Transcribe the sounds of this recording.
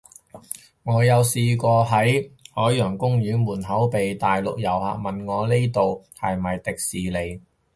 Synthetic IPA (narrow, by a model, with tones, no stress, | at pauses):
ŋɔː˨˧jɐ˨˧wsiː˧kɔː˧ɦɐ˨˥jhɔː˨˥jjœː˨˩ŋkʊ˥ŋjyː˨˥nwuː˨˩nɦɐ˨˥wpe˨jt̪aː˨jlʊ̰˨k̚jɐ˨˩wha̰ː˨k̚mɐ˨nŋɔː˨˧li˥t̪o˨whɐ̰˨jmɐ˨jt̪ɪ˨k̚siː˨le˨˧j